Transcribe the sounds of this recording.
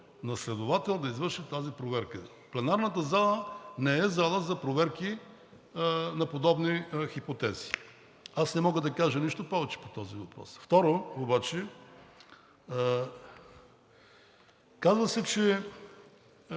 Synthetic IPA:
nɐslɛd̪ʊvat̪ɛlˠd̪ɐizvəɾʃit̪azipɾovɛɾkə | plɛnaɾnət̪əzalˠənɛɛzalˠəzɐpɾovɛɾki | nɐpod̪ɔbnixipot̪ɛzi̥ | asnɛmɔɡəd̪ɐkaʒəniʃt̪opɔvɛt͡ʃɛ̥po̥t̪ɔzivɐpɾɔ̰sft̪ɔɾoobat͡ʃɛ | kazvəsɛt͡ʃɛ

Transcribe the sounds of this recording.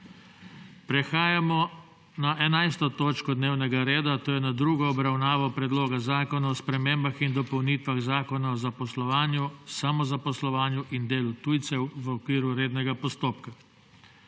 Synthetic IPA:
pɾɛxaːjamɔ | naʔɛnajst̪ɔt̪oːt͡ʃkɔd̪neːwnɛɡaɾeːd̪at̪oːjɛnad̪ɾuːɡɔːbɾawnaːʋɔpɾɛd̪loːɡazaːkɔnaɔspɾɛmeːmbaxind̪ɔpɔwniːt̪ʋaɣzaːkɔnaɔzapɔslɔʋaːnjusamɔzapɔslɔʋaːnjuʔind̪eːlut̪uːjt̪sɛwʋəɔkʋiːɾuɾeːd̪nɛɡapɔst̪oːpka

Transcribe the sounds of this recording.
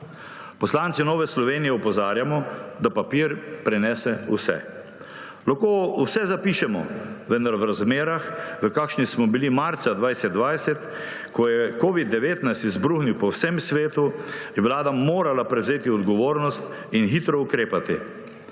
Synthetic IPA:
pɔslant̪sinɔːʋɛslɔʋeːnijɛɔpɔzaːɾjamɔd̪apapiːɾpɾɛnɛːsɛṵsɛ̰ | laxkoːusɛzapiːʃɛmɔ̰ʋənd̪aɾʋɾazmeːɾaxʋəkakʃnismɔbilimaɾt̪sad̪ʋajsɛd̪̚d̪ʋajsɛt̪ | kɔjɛkoːʋid̪ːɛʋeːt̪najst̪izbɾuxniwpɔwsɛmsʋeːt̪ujɛʋwlaːd̪amoːɾalapɾɛwzeːt̪iɔd̪ɡɔʋoːɾnɔst̪ | inxiːt̪ɾɔukɾeːpat̪ḭ

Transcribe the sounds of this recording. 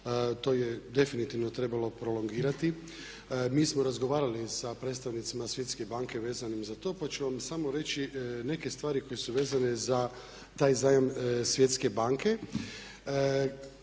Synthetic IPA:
t̪o̞ːjed̪e̞finit̪iʋno̞t̪ɾe̞balo̞pɾo̞lo̞ŋɡiːɾat̪i | miːsmo̞ɾazɡoʋaːɾalisapɾet̪st̪aʋnit̪simasʋje̞t̪ske̞baːŋke̞ʋe̞ːzanimzat̪o̞pat͡ʃuʋamsamo̞ɾe̞t͡ɕine̞ke̞st̪ʋaːɾiko̞jesuʋe̞ːzaneza | t̪aːjzaːjamsʋje̞t̪ske̞baːŋke̞

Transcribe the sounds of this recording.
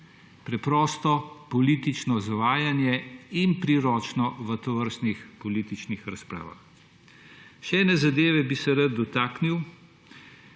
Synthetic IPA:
pɾɛpɾɔːst̪ɔpɔliːt̪it͡ʃnɔzaʋaːjanjɛinpɾiɾɔːt͡ʃnɔʋət̪ɔʋəɾst̪nixpɔliːt̪it͡ʃnixɾaspɾa̰ːʋa̰x | ʃɛɛːnɛzad̪eːʋɛbisɛɾad̪̚d̪ːɔt̪aːkniw

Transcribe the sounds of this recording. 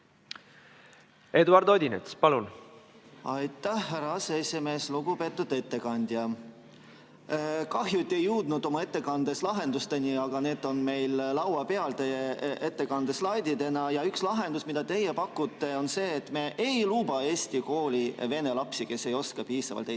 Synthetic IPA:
e̞d̪uɑɾd̪o̞d̪ʲinḛt̪spɑlun | ɑjt̪ːˑæhːeɾɑɑseesime̞ːsluɡ̥ube̞t̪ːˑud̪̥e̞t̪ːe̞kɑnʲd̪̥jɑ | kɑɦjut̪ʲːˑe̞jːuːd̪̥nud̪̥o̞mɑe̞t̪ːe̞kɑnd̪̥e̞slɑɦe̞nd̪ust̪e̞nʲiɑɡ̥ɑne̞ːd̪o̞nme̞jllɑwwɑpe̞ɑlt̪e̞jeʔet̪ːe̞kɑnd̪̥e̞slɑjd̪id̪e̞nɑjɑykslɑɦe̞nd̪usmid̪̥ɑt̪e̞jepɑkːut̪ːe̞o̞nse̞ːt̪ːme̞ʔejluːbɑe̞ːsʲt̪iko̞ːlʲive̞ne̞lɑpsike̞sːe̞jo̞skɑpiːsɑ̰vɑ̰lt̪e

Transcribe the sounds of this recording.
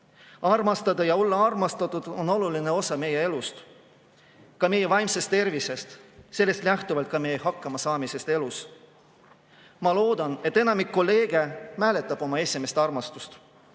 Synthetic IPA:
ɑrmɑst̪ɑd̪̥ɑjɑo̞lːɑɑrmɑst̪ɑt̪ud̪̥o̞no̞luline̞o̞sɑme̞jee̞lust̪ | kɑme̞jːevɑjmse̞st̪ːe̞rvise̞st̪se̞lːe̞st̪læht̪uvɑlt̪̚kɑme̞jeɦɑkːɑmɑsɑːmise̞st̪e̞lus | mɑlo̞ːd̪̥ɑne̞t̪ːe̞nɑmikːo̞lːe̞ːɡ̥e̞mæːle̞t̪ːˑɑb̥o̞mɑe̞sʲime̞st̪ɑrmɑst̪ust̪

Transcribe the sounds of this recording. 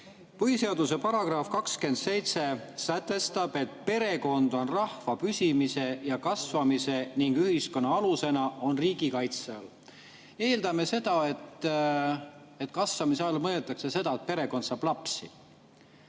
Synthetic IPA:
pɤhise̞ɑd̪use̞pɑɾɑɡ̥rɑfkɑkske̞nd̪se̞jt̪se̞sæt̪ːˑe̞st̪ɑb̥e̞t̪pe̞ɾe̞ko̞nd̪̥o̞nrɑhvɑpysʲimise̞jɑkɑsvɑmise̞niŋɡ̥yhisko̞nːɑɑluse̞nɑo̞nriːɡ̥ikɑjt̪seɑl | e̞ːld̪̥ɑme̞se̞d̪̥ɑe̞t̪ː | e̞t̪ːˑkɑsvɑmiseɑlmɤelt̪ːˑɑkse̞se̞d̪̥ɑet̪̚pe̞ɾe̞ko̞d̪sɑːb̥lɑpsi

